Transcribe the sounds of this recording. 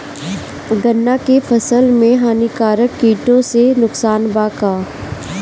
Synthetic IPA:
ɡɐnːakefʰɐsəlmẽɦaːnikaːɾəkːiːʈõsenʊksaːnbaːkaː

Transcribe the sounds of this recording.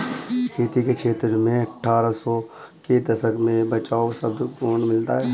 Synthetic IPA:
kʰeːt̪ikekʃʰeːt̪ɾmẽɐʈʰːaːɾasɔ | ked̪ɐsəkmẽbət͡ʃaːosəbkoːnmɪlt̪aɦɛː

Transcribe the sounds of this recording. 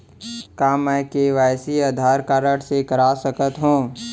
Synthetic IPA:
kaːmɛːkeːʋaːjsiaːd̪ʱaːɾkaːɾəɽsekɐɾaːsəkət̪ɦũː

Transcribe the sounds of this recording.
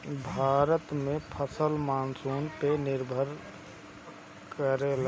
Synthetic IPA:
bʱaːɾət̪mẽpʰəsəlmaːnsoːnpenɪɾbʱəɾ | kəɾel

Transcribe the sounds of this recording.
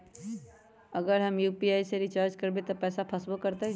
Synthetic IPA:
əɡəɾɦəmjuːpiaːiseɾit͡ʃaːɾd͡ʒkəɾbet̪ɔpɛːsapʰəsbokəɾt̪e

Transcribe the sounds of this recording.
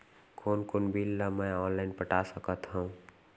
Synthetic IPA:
kʰoːnkʊnbilːamɛ̃ɔːnlaːɪnpəʈasəkət̪ɦũũ

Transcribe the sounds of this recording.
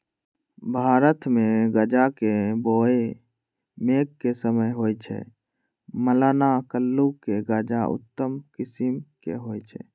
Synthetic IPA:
bʱaːɾət̪meɡəd͡ʒakeboe | mekːesəməjɦojt͡ʃʰɛ̰ | məlanakəlːukeɡəd͡ʒaʊ̰t̪ːəmkɪsimkḛɦoːjt͡ʃʰɛ̰

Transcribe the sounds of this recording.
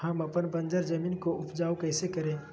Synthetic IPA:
ɦəmɐpənpə̃nd͡ʒəɾd͡ʒəmiːnkoʔʊpd͡ʒaːukəɪsekɐɾẽː

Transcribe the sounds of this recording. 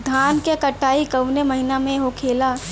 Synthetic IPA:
d̪ʱaːnkekəʈːaːikəwneməɦinamẽɦokʰeːla

